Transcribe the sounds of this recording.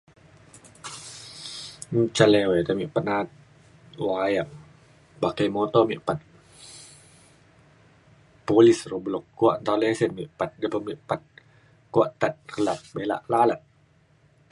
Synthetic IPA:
n̩t͡ʃalewet̪amiʔpat̪̚nat̪̚ | wajaŋ̚ | bakajmɔt̪ɔmiʔpat̪̚ | polisroblɔkːuaʔnt̪awlesɛnmiʔpat̪̚dəbəmiʔpat̪̚ | kuaʔt̪at̪̚rəlat̪̚bela̰ʔlalat̪̚

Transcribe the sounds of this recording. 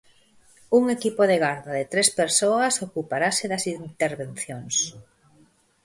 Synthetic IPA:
uŋekipoðeɣaɾðaðet̪ɾespeɾsoasokupaɾaseðasint̪eɾβẽn̟θjoŋs

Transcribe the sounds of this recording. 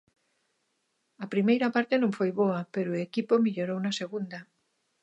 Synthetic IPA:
ɐpɾimejɾapaɾt̪enõɱfojβoapeɾoekipomiʎoɾownaseɣund̪a

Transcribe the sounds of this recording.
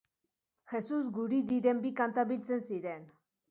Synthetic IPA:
xe̞suzɡuɾiðiɾe̞mbikant̪aβilt͡se̞nsiɾe̞n

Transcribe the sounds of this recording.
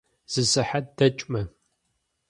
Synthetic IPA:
z̥ɨsɨħat̚dɐt͡ʃʼmɐ

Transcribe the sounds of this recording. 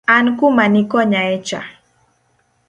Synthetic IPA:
ankumanikɔɲaet͡ʃa̰

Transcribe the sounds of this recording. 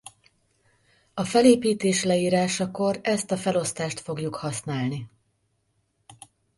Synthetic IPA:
ɒfɛleːpiːt̪eːʃlɛiːɾaːʃɒko̞ɾɛst̪ɒfɛlo̞st̪aːʃt̪fo̞ɡjukhɒsnaːlni

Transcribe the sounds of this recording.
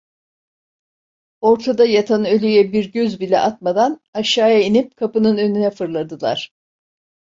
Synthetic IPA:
o̞ɾt̪ʰad̪ajat̪ʰanølʲyjɛbiɾɟøzbilʲɛ̰ʔat̪̚mad̪anaʃaːjainip̚kʰapɯnɯnø̞nynɛfɯɾlˠad̪ɯlˠa̰ɾ̝̥

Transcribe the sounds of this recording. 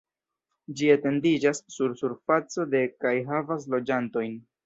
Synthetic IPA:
d͡ʒiate̞ndid͡ʒasːuɾsuɾfat͡so̞de̞kajɦavas̬lo̞d͡ʒanto̞jn

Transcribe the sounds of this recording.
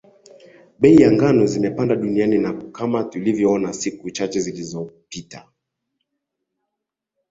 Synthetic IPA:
ɓɛijaŋɡanɔzimɛpandaɗunianinakamatulivjɔɔnasikut͡ʃat͡ʃɛzilizɔpita

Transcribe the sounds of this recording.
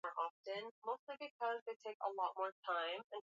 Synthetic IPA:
ɹʔɑftɨ̃nmoʊstˡlibɨk̚ʰʌzðeɪtʰeɪkə̰lɔt̚mɔɹtʰãɪ̃mɨ̃n

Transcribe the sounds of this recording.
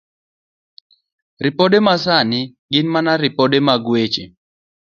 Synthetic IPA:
rɪpodemasanɪɡɪnmanaɾɪpodemaɡwet͡ʃḛ

